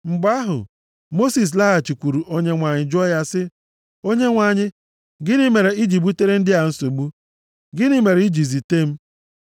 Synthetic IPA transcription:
ŋ͡m̩˨ɡ͡ba˦ɦʊ̰˨ | mo˦si˨s̬la˦ɦa˨t͡ʃi˨kʷu˨ɾu˨ʔo˦ɲe˦ŋʷa˨ɲɪ˨d͡ʒɔ˦ja˦sɪ˦ | o˦ɲe˦ŋʷa˨ɲɪ˦ | ɡɪ˦nɪ˦me˨ɾe˨i˦d͡ʒi˨bu˦te˦ɾe˦n̩˦dɪ˦a˨n̩˦so˨ɡ͡bu˦ | ɡɪ˦nɪ˦me˨ɾi˦d͡ʒi˨zi˨te˦m̩˦

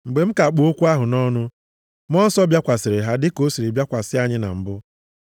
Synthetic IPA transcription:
ŋ͡m̩˨ɡ͡be˨m̩˦ka˨k͡pʊ˨o˦kʷu˦a˦ɦʊ˨nɔ˦nʊ˦ | m˦ɔ˦n̩˦sɔ˦bja˦kʷa˨sɪ˨ɾɪ˨ɦa˦dɪ˦ko˦si˨ɾi˨bja˦kʷa˨sɪ˦a˦ɲɪ˦na̰˨m̩˨bʊ˦

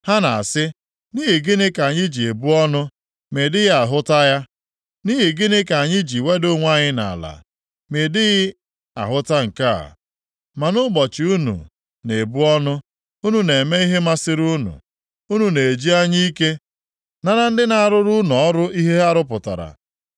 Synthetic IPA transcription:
ha˦na̰˨sɪ˦ | ni˦ɦɪ˨ɡɪ˦nɪ˦ka˨ɲɪ˦d͡ʒi˨e˨bu˦ɔ˦nʊ˦ | me˨dɪ˦ɣɪ˦a˨ɦʊ˦ta˦ja˦ | ni˦ɦɪ˨ɡɪ˦nɪ˦ka˨ɲɪ˦d͡ʒi˨we˦do˦ŋʷa˦˨ɲɪ˦na̰˨la̰˨ | me˨dɪ˦ɣɪ˦ | a̰˨ɦʊ˦ta˦ŋ̩˨ka̰˦˨ | ma˨nʊ˦ɡ͡bɔ˨t͡ʃɪ˨u˦nṵ˨ | ne˨bu˦ɔ˦nʊ˦ | u˦nu˦ne˨me˦i˦ɦe˦ma˦sɪ˦ɾu˦nṵ˨ | u˦nu˨ne˨e˨d͡ʒi˦a˦ɲi˦i˦ke˦ | na˦ɾa˦n̩˦dɪ˦na˨a˨ɾʊ˦ɾʊ˦nu˨ɔ˦ɾʊ˦i˦ɦe˦a˦ɾʊ˦p̬ʊ˨ta̰˨ɾa̰˨

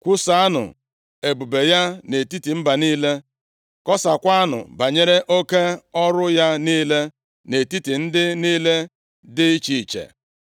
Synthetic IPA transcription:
kʷu˦sa˨˦a˦nʊ̰˨ | e˨bu˨be˨ja˦ne˨ti˦ti˨m̩˦ba˨niː˦le˦ | kɔ˦sa˨kʷa˦a˦nʊ̰˨ba˨ɲe˦ɾe˦ʔo˦ke˦ɔ˦ɾʊ˦ja˦niː˦le˦ | ne˨ti˦ti˨n̩˦dɪ˦niː˦le˦ | dɪ˦i˦t͡ʃi˨t͡ʃḛ˨

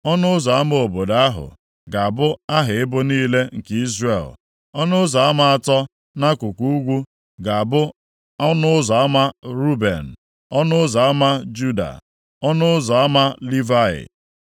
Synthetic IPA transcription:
ɔ˦nʊ˦ʊ˦zɔ˨a˦m˦o˨bo˨da˦a˦ɦʊ̰˨ | ɡa˨a˨bʊ˦a˦ɦɪ˨ɪ˦bʊ˦niː˦le˦ŋ̩˨ki˦zrḛ˨l | ɔ˦nʊ˦ʊ˦zɔ˨a˦ma˨a˨tɔ˦ | na˦kʷʊ˨kʷu˦u˦ɡʷu˦ | ɡa˨bʊ˦ | ɔ˦nʊ˦ʊ˦zɔ˨a˦ma˦ɾu˦bḛ˨n̩˨ | ɔ˦nʊ˦zɔ˨a˦ma˦d͡ʒu˦da̰˨ | ɔ˦nʊ˦ʊ˦zɔ˨a˦ma˦li˦va˦˨ɪ̰˨

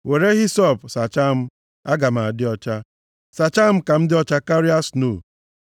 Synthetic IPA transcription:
we˨ɾe˦ɣi˦sɔ˦˨psa˨t͡ʃa˦m̩˦ | a˦ɡa˨ma˨a˨dɪ˦ɔ˦t͡ʃa˦ | sa˨t͡ʃa˦m̩˦ka˨m̩˦dɪ˦ɔ˦t͡ʃa˦ka˦ɾi˦a˦sno˦˨

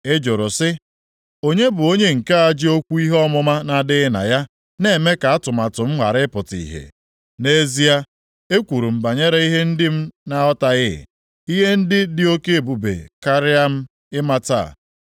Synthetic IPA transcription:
e˦d͡ʒʊ˨ɾʊ˨sɪ˦ | o˦ɲe˦bʊ˨o˦ɲe˦ŋ̩˨ka˦a˦d͡ʒɪ˦o˦kʷu˦i˦ɦe˦ɔ˦mʊ˦ma˦na˨dɪ˦ɪ˦na̰˨ja˦ | ne˨me˦ka˨a˦tʊ˨ma˨tʊ˨m̩˦ɦʷa̰˨ɾɪ˦pʊ˨tḭ˨ɦḛ˨ | ne˦zi˦a˦ | e˦kʷu˨ɾu˨m̩˨ba˨ɲe˦ɾe˦i˦ɦe˦n̩˦dɪ˦m̩˦na˨ɔ˦ta˨ɣɪ˦˨ | i˦ɦe˦n̩˦dɪ˦dɪ˦o˦ke˦e˨bu˨bḛ˨ka˦ɾɪ˦a˦m̩˦ | ɪ˦ma˦ta̰˦˨

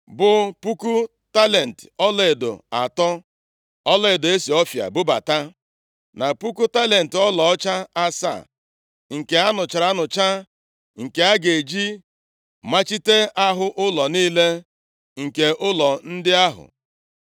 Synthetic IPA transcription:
bʊ˨pu˦ku˦ | ta˦le˨n̩˨tɔ˦le˨do̰˨a˨tɔ˦ | ɔ˦lɔ˦e˨do˨e˦si˨ɔ˦fja̰˨bʊ˦ba̰˨ta˦ | na˨pu˦ku˦ta˦le˨n̩˨tɔ˦lɔ˨ɔ˦t͡ʃa˦a˦sa̰˦˨ | ŋ̩˨ke˨a˦nʊ˨t͡ʃa˨ɾa˦nʊ˨t͡ʃa˦ | ŋ̩˨ke˨a˦ɡe˨d͡ʒi˦ | ma˦t͡ʃi˦te˦a˦ɦʊ˦ʔʊ˦lɔ˨niː˦le˦ | ŋ̩˨ke˨ʔʊ˦lɔ˨n̩˦dɪ˦a˦ɦʊ̰˨

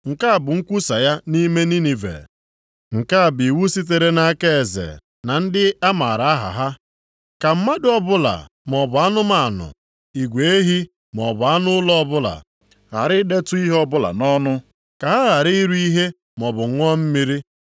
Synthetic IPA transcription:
ŋ̩˨ka˦a˨bʊ˨ŋ̩˦kʷu˦sa˨ja˦ni˦me˦ni˦ni˨vḛ˨ | ŋ̩˨ka˦a˨bi˨wu˦si˦t̬e˨ɾe˦na˦ke˦e˨zḛ˨ | na˨n̩˦dɪ˦a˦ma˨ɾa˨a˦ɦa̰˨ɦa˦ | ka˨m̩˦ma˦dɪ˦ɔ˦bʊ˦la̰˨ | m˨ɔ˨bʊ˨a˦nʊ˦ma˨a˨nʊ̰˨ | i˨ɡʷe˨e˦ɦi˦ | m˨ɔ˨bʊ˨a˦nʊ˦lɔ˦ɔ˦bʊ˦la̰˨ | ɣa̰˨ɾɪ˦de˦tʊ˦i˦ɦɔ˦bʊ˦la̰˨nɔ˦nʊ˦ | ka˨ɦa˦ɣa˨ɾi˦i˦ɾu˦i˦ɦe˦ | m˨ɔ˨bʊ˨ŋ̩˦ŋʷɔ˦m̩˦mi˦ɾi˦

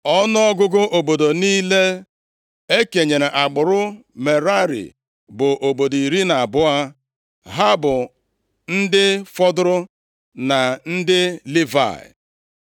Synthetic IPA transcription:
ɔ˦nʊ˦ɔ˦ɡʊ˦ɡʊ˦ʔo˨bo˨do˨niː˦le˦ | e˦ke˨ɲe˨ɾe˨ʔa˨ɡ͡bʊ˨ɾʊ˦me˨ɾa˦ɾḭ˨ | bʊ˨ʔo˨bo˨di˨ɾi˦na˨a˨bʊ˦a˦ | ɦa˦bʊ˨ | n̩˦dɪ˦fɔ˦dʊ˦ɾʊ˦ | na˨n̩˦dɪ˦li˦va̰˨ɪ̰˨

